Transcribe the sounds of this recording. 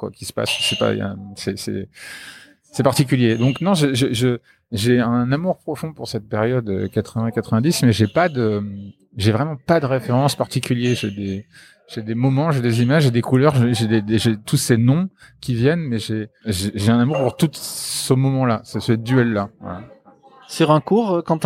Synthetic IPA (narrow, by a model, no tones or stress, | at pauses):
kwa̰kʲi̥sə̥pa̰ssɛpa̰ə̰msɛsɛ̰ | sɛpaʁt̪ik̬ʲyljed̪ɔ̃knɔ̃ʒəʒəʒə | ʒeɛ̃namuʁpχɔfɔ̃puʁsɛt̪̚peʁjɔd̪ø̰kat̪χəvɛ̃kat̪χəvɛ̃d̪ismɛʒepad̪ə | ʒevʁɛmɑ̃pad̪əʁefeʁɑ̃spaʁt̪ikʲyljeʒed̪e | ʒ̥ed̪emɔmɑ̃ʒed̪ezimaʒʒed̪ekulœʁʒeʒed̪ed̪eʒet̪usenɔ̃kʲivjɛnmɛʒeʒeʒeɛ̃namuʁpuʁt̪ut̪səmɔmɑ̃lasəsəd̪yɛlːava̰la | syʁɛ̃kuːʁkɑ̃t̪